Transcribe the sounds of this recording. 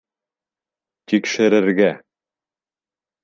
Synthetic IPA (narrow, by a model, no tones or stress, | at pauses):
t̪ikʃɘ̆ɾɘ̆ɾɡæ